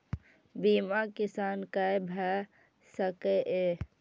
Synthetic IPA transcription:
bimakɪsaːnkəjbʱɛ | səkeʔe

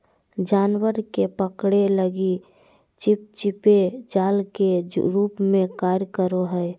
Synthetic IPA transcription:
d͡ʒaːnwəɾkepəkɽeləɡi | t͡ʃɪp̚t͡ʃɪped͡ʒaːlkeɾuːpmẽkaːɾjkəɾoɦəɛ

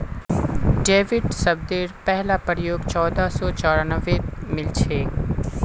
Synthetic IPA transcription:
ɖeːʋɪɖsɐb̚d̪eːɾpɛɦlapɾjoːɡt͡ʃɔːd̪asɔːt͡ʃaːɾanəʋemɪlt͡ʃʰeː

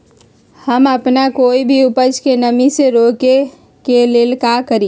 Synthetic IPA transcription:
həməpnakoːibʱiʊpəd͡ʒkenəmiseɾoːke | keleːlkakəɾiː

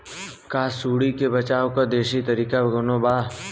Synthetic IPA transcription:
kaːsuːɽikebɐt͡ʃaːokad̪eːʃit̪ɐɾiːkaɡʊnobaː

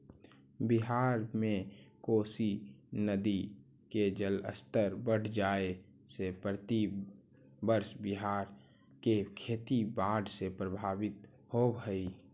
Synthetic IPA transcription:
bɪɦaːɾmẽkoːsinəd̪i | ked͡ʒələ̰st̪əɾbəɽ̤d͡ʒaːe | sepɾət̪i | bəɾʃbɪɦaːɾ | kekʰeːt̪ibaːɖʱsepɾəbʱaːwɪt̪ | hobʱəi

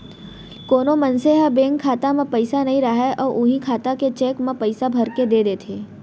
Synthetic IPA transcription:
koːnomɐnseɦabeːŋkʰaːt̪amẽpɐɪsanɐɦĩɾɐɦeʔɔːɾʔʊɦĩkʰaːt̪aket͡ʃeːkmẽpɐɪsabʱɐɾked̪eːd̪eːt̪ʰeː

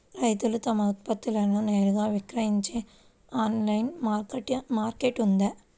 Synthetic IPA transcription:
ɾɐjt̪ulut̪ɐmɐut̪̚pɐt̪ːilɐnuneːɾuɡaːʋikɾɐɦiɲt͡ʃe̞ː | aːnlɐjnmaːkɐʈmaːɾkeʈund̪e

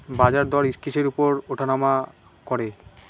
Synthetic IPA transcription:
bad͡ʑaɾd̪ɔaɾiʃkiʃeɾupoɾoʈʰanama | kɔɾe

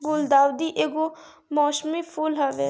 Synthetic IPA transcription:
ɡoːld̪aːʋd̪iːʔeːɡoː | mɔːʃmiːpʰuːlɦaːʋeː

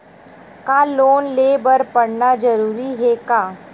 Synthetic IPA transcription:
kaːloːnleːbəɾpəɽnad͡ʒəɾuːɾiɦekaː

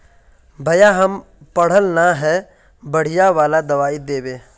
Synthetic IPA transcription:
bʱɐjaɦɐm | pɐɽ̤əlnaɦɛ | bɐɽ̤ijaʋaːlad̪ɐʋaːid̪eːʋeː

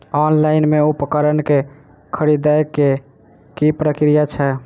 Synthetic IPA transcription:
ɔnlaɪnmeupkəɾənke | kʰəɾid̪ajkːe | kipɾəkɾijat͡ʃʰɛ

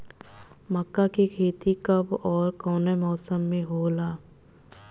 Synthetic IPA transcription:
məkːakekʰeːt̪ikɐbɔːɾkɔːnemɔːsəmːẽɦoːlaː

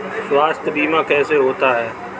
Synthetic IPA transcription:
sʊaːst̪biːmãːkɛːseɦoːt̪aɦɛː

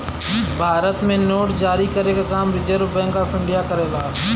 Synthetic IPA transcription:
bʱaːɾət̪mẽnoːʈd͡ʒaːɾikəɾekakaːmɾɪd͡ʒəɾobɛ̃ːŋkaːfɪ̃ɳɖijakəɾed̪aː

